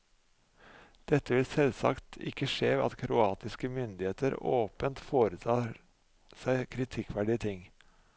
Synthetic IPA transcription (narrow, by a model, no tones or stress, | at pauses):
d̪̥ɛt̪ːəʋɪlsɛlsɑ̰kt̪ʰɪ̰kːəʂeːɑ̰t̪kʰɾʔʊɑːt̪ɪskəmʏnd̪ɪheːt̪əɾo̰ːpənt̪foːɾət̪ʰɑː | sæɪkʰɾɪt̪ʰɪkːʋæɖɪət̪ʰɪŋ